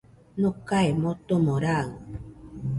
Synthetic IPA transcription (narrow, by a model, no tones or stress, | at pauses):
nokaemot̪omõɾa